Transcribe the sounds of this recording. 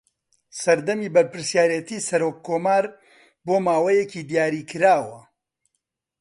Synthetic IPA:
sɐɾd̪ɐmiːbɐɾpɨɾsjaːɾjet̪iːsɐɾoːkʰːoːmaːɾ | boːmaːwɐjecid̪ijaːɾiːkʰɨɾaːwɐ

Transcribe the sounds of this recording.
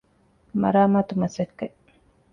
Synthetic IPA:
mɐ̰ɾaːmaːt̪umɐsekːe

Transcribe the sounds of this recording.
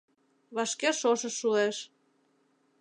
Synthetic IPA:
βɑʃkeʃoʃə̆ʃːueʃ

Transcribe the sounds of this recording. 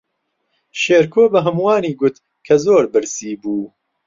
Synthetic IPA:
ʃeːɾkʰoːbɐɦɨmwaːniːɡʊt̪ | kʰɐzoːɾbɨɾsiːbuː

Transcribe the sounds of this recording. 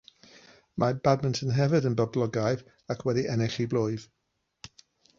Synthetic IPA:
mʔabadməntʰənɦɛvədənbəblˠɔɡajv | akʰwɛdiʔɛnɛɬiblˠojð̥

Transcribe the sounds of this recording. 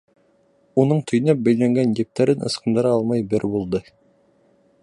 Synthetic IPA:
unɤɴt̪ʰɵ̆jnæp̚bæjlæŋɡænjɘp̚t̪æɾɘnʔɤ̰̆sqɤ̆nd̪ɤ̆ɾɑɑlˠmɑjbɘɾbulˠd̪ɤ

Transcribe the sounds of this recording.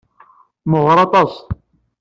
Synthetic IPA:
məʁɾˤɑt̪ˤɑs

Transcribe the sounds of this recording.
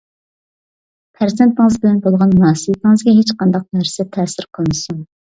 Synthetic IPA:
pʰæɾzent̪ːɪŋɨzbɪlɛnbolˠʁɑnmunɑːsəbɨt̪ʰɪŋɨzɡʲɛɦet͡ʃqɑnd̪ɑq̚næɾsɪt̪ʰɛːsɪɾqʰəlˠmɨsuŋ

